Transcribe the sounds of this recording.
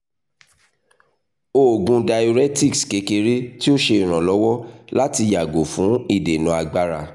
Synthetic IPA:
o˨ɡũ˧da˧jo˧ɾɛ˦ti˦˨kske˨˦ke˧ɾe˦ti˦o˦ʃe˧i˨ɾ̃ã˨lɔ˨˦wɔ˦la˦ti˧ja˨ɡo˨fũ˨˦i˦˨de˨nũ˨˧a˧ɡ͡ba˧ɾa˧

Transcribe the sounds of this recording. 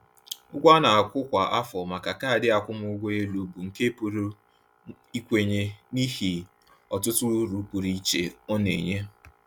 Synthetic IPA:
ʊ˦ɡʷa˦na˨a˨kʷʊ˦kʷa˨ʔa˦fɔ˨ma˨ka˨ka˦a˨dɪ˦a˨kʷʊ˦mʊ˦ʊ˦ɡʷo˦e˦lu˨bu˨ŋ̩˨ke˦pu˨ɾu˦ | i˦kʷe˨ɲe˦ni˦ɦi˨ | ɔ˨tʊ˦tʊ˦ɾu˨˦pu˨ɾi˦t͡ʃe˨ɔ˦nḛ˨ɲe˦

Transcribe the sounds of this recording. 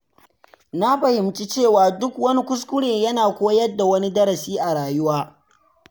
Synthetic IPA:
na˦ɸɐ˨hɪ˨mt͡ʃi˦t͡ʃeː˦˨waː˨dʊ˦kwɐ˦ni˦kʷʊ˦s̬kʷʊ˦ɽeː˨jɐ˦naː˨kʷoː˦jɐ˦dːa˨wɐ˦ni˦dɐ˦ɾɐ˨siː˦ʔa˨ɽaː˨jʊ˦waː˦

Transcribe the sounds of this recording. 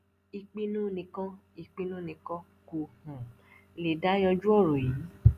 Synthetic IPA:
i˧k͡pi˦nũ˦nĩ˧kɔ̃˦ | i˧k͡pi˦nũ˦˨nĩ˧kɔ̃˦ | ko˧hũ˨˧ | le˨da˦jɔ˧d͡ʒu˦ɔ˦˨ɾõ˨ji˨˦

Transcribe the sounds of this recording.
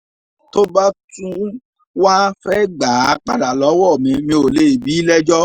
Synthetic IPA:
to˦ba˦tũ˦ | wa˦fɛ˦ɡ͡ba˨˦k͡pa̰˦˨da˨lɔ˨˦wɔ˦˨mĩ˨˧mĩ˧o˨le˦i˨bi˨˦lɛ˦d͡ʒɔ˦

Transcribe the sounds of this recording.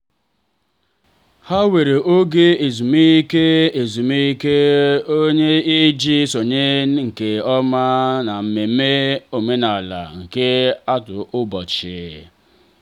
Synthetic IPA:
ha˦we˨ɾe˨ʔo˦ɡe˦e˨zu˨me˦i˦ke˦e˨zu˨me˦i˦ke˦o˦ɲe˦i˦d͡ʒi˦so˨ɲe˦ŋ̩˨ke˨ɔ˦ma˦na˨m̩˨me˨˦me˦o˨me˦na˨la̰˨ŋ̩˨ke˦a˦tʊ̰˨ʔʊ˦bɔ˨t͡ʃɪ̰˨

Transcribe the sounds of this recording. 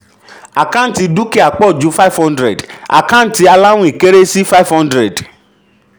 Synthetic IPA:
a˨kã˦n̩˦ti˧du˦ke˦˨a˨k͡pɔ˦˨d͡ʒu˨˦fa˦˨fhɔ̃˦ndɾɛ˨da̰˨kã˦n̩˦ti˧a˧la˦wũ˦i˨ke˦ɾe˦si˦fa˦˨fhɔ̃˦ndɾɛ˨d

